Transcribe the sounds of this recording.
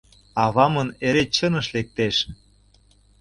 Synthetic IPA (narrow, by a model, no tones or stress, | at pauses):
ɑβɑmɤneɾet͡ɕɤnɤ̆ʃlek̚t̪eʃ